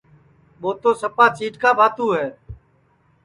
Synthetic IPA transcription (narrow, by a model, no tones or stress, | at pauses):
ɓoːt̪oːsəpaːt͡ʃiːʈkaːbʱaːt̪ũːɦɛː